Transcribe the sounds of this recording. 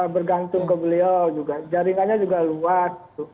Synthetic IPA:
abərɡant̪ʊŋkəbəliawd͡ʒuɡad͡ʒaɾiŋanɲad͡ʒuɡaluasɡit̪u

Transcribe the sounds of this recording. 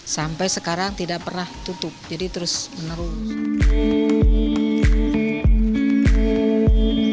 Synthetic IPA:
sampajsəkaɾaŋt̪idaʔpərnaht̪ut̪ʊp̚d͡ʒadit̪əɾʊsmənəɾʊ

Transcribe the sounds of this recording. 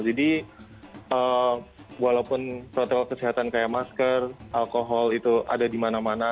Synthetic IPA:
d͡ʒadi | ə | walaupʊnpɾot̪ɔkɔlkəsiɦat̪ankajamaskərʔalkoɦɔlit̪uʔa̰dadimanamana

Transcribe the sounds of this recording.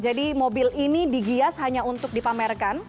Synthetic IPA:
d͡ʒadimobɪlinidiɡiashaɲaunt̪ʊk̚dipamɛrkan

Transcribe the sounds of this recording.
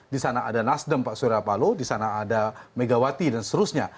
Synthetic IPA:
disanaːdanasdəmpaʔsuɾapalodisanaːdameɡawat̪idanst̪əɾʊsɲa

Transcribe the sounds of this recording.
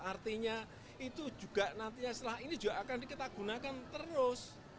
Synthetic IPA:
art̪iɲa | it̪u̥d͡ʒ̥ṳɡ̥aʔnant̪iɲasəlaɦainid̥ʒ̥uɡaʔakanikit̪aɡ̥ṳnakant̪əɾʊs

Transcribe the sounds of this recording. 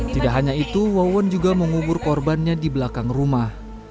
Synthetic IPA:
t̪idaʔɦaɲait̪uwawand͡ʒuɡaməŋubʊrkɔrbanɲadibəlakaŋrumah

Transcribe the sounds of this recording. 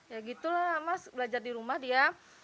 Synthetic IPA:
jaɡit̪ulamasbəlad͡ʒardiɾumahdia

